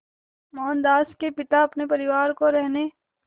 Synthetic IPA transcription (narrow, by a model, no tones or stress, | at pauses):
mɔːnd̪aːskepɪt̪aɐpnepɐɾɪʋaːɾkoɾɛɦneː